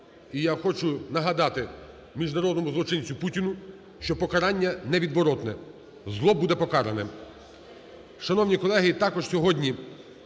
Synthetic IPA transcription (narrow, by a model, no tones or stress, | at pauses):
ijaxɔt͡ʃʊnɐɦɐd̪ɑt̪ɪ | mʲiʒnɐɾɔd̪nɔmʊzlˠɔt͡ʃɪnʲt͡sʲʊputʲinʊ | ʃt͡ʃɔpɔkɐɾɑnʲːɐnɛʋʲid̪ʋɔɾɔt̪nɛ | zlˠɔbud̪ɛpɔkɑɾenɛ | ʃɐnɔwnʲikɔlˠɛɦɪt̪ɑkɔʒsʲɔɦɔdʲnʲi